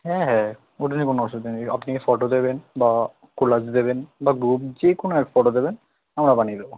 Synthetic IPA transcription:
ɦɛ̃ɦɛ̃ | oʈanikonoɔʃod̪ineapnifɔʈod̪ebenba | kulad͡ʑd̪ebenbaɡɾup̚d͡ʑekonoɛkfɔʈod̪eben | amɾabanid̪ebo

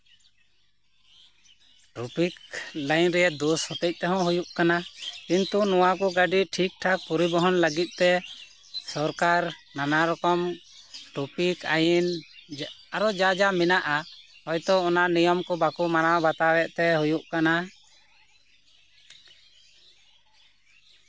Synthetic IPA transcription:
ʈɾupiklajnɾɛjɛd̪ɔshɔt̪ɛc̚t̪ɛɦɔ̃ɦujuʔkanakint̪unɔwakɔɡaɖiʈʰik̚ʈʰak̚pɔɾibɔɦɔnləɡit̪̚ˀt̪ɛ | sɔɾkaɾnanaɾɔkɔm | ʈupikajin | aɾɔd͡ʒad͡ʒamɛnaʔaɔjt̪ɔɔnanijɔmkɔbakumanawbat̪awɛʔt̪ɛɦujuʔkana

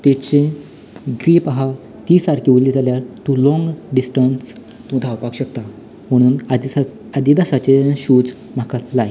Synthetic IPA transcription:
t̪et͡ɕẽ | ɡɾiːpaɦa | t̪iːsaɾkiʋlid͡zaljaɾt̪ũlɔ̃ŋɡɖisʈəns | t̪ũd̪ʱaʋpakɕək̚t̪a | m̤əɽ̃uːn | ad̪id̪asat͡ɕeɕuːd͡z | m̤akalaj

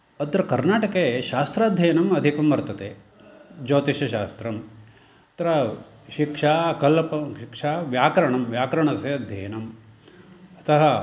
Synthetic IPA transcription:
ɐd̪ɾɐkɐɾnaːʈɐkeʃaːst̪ɾaːd̪ʱjɐjɐnɐmɐd̪ʱikɐmʋɐɾt̪ɐt̪e | d͡ʒoːt̪iʃɐʃaːst̪ɾɐm | ɐt̪ɐɾɐ | ʃikʂaːkɐlɐpɐʃikʂaːʋjaːkɐɾɐɳɐmʋjaːkɐɾɐɳɐseɐd̪ʱjɐjɐnɐm | ɐt̪ɐɦɐ

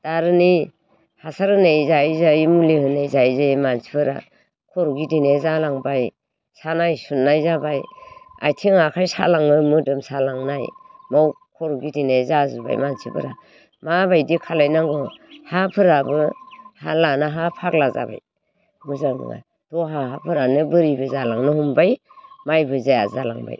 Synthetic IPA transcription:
d̥aɾɯni | hasaɾɯnejzajzajmulihɯnejzajzamansibɯɾa̰ | kʰɔɾɡidinezalaŋbaj | sanajsunːajzabaja̰jtʰiŋakʰajsa̰laŋɯmɯdɯmsalaŋnajmaw | kʰɔɾuɡidinezazɯba̰jmansibɯ̰ɾa | mabajdikʰalajnaŋɡɔhapʰɯɾabɯhalanaɦapʰak̚laza̰ba̰j | muzanɯ̰ŋa̰ | tɔɦaɦapʰɯɾanɯbɯɾibɯzalaŋnɯhumbaj | majbɯzaja̰zala̰ŋba̰j

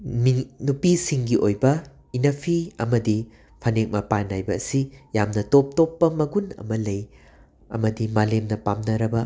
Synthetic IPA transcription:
minupisiŋɡiʔojbɐ | inɐpʰiɐ̰mɐdi | pʰɐnek̚mɐpanːajbɐːsijamnɐtop̚topːɐmɐɡunɐ̰mɐlɐj | ɐ̰mɐdimalemnɐpamnɐɾɐbɐ

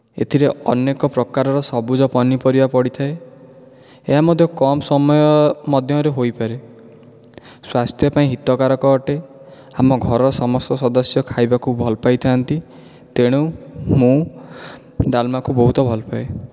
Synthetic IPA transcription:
ḛt̪ʰiɾeɔ̰nekɔpɾɔkaɾɔɾɔsɔbud͡ʒɔpɔnipɔɾibapɔɽit̪ʰae | eɦamɔd̪ʱjɔkɔmsɔmɔjɔmɔd̪ʱjɔɾeɦojpaɾe | swast̪ʰjɔpaĩɦit̪ɔkaɾɔkɔːʈe | amɔɡʱɔɾɔɾɔsɔmɔst̪ɔsɔd̪ɔsjɔkʰajbakubʱɔlɔpajt̪ʰiant̪i | t̪eɽ̃umũ | ɖalmakubɔɦut̪ɔbʱɔlɔpae

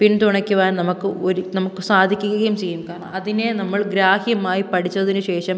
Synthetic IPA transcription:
pint̪uɳɐkʲːuʋaːnnɐmukkːɨo̞ɾunɐmukːɨsaːd̪ʱikʲːukːuɣɐjumt͡ɕe̞jːumkaːɾɐɳɐ̰mɐðinenɐmːɐɭɡɾaːhijɐmaːjipɐʈʰit͡ɕːuʋɐðinɨɕe̞ːʂɐm

